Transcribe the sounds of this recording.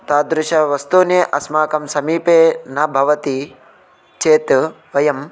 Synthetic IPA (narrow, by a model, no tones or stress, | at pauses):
t̪aːd̪ɾʊʃɐʋɐst̪uːnjeːʔɐsmaːkɐmsɐmiːpeːnɐbʱɐʋɐt̪i | t͡ʃeːt̪ | ʋɐjɐm